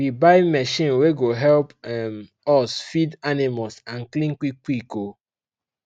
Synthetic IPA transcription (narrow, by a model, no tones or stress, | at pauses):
wibaɪmɛʃĩnweɡoɦɛlpm | ɔsfidanimalsãnklĩŋkʷikʷiko